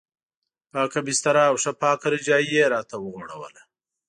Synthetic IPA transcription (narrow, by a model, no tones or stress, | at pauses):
aːkabist̪ɐɾaːwʂapɑːkaɾid͡ʒɑːieɾɑːt̪awəɣoɽa̰wə̰la